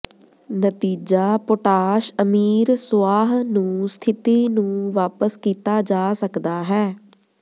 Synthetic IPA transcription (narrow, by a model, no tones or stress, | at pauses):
nət̪iːd͡ʒaːpoʈaːʃəmiːɾsʊaːɦnũːst̪ʰɪt̪iːnũːʋaːpəskiːt̪aːd͡ʒaːsəkd̪aːɦɛː